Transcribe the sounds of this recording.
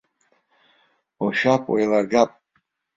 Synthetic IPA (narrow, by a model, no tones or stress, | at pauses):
oʃapʰʼwa̰jlarɡapʼ